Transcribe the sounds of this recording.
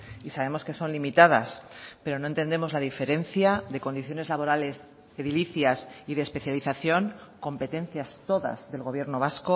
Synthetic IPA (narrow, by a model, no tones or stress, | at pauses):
isaβ̞e̞mo̞ske̞so̞nlimit̪aðaspe̞ɾo̞noent̪e̞nd̪e̞mo̞zlaðife̞ɾe̞nθjaðe̞ko̞nd̪iθjo̞ne̞zlaβo̞ɾale̞z | e̞ðiliθjasiðespe̞θjaliθaθjo̞ŋko̞mpe̞t̪e̞n̟θjast̪o̞ða̰zðe̞lɣo̞β̞je̞ɾno̞β̞asko̞